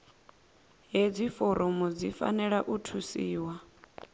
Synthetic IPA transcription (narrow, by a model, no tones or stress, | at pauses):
ɦed͡zifoɾʔumud͡zifa̰nɛɺaʔutʰusiːwa